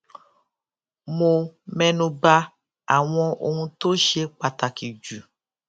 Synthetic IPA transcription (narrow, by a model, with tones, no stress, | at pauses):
mo˨mɛ˨nũ˨ba˦ | a˨w̃ɔ̃˦ʔo˨ŋũ˦t̪o˦ʃe˦k͡pa˨t̪a˨ki˨d͡ʒu˨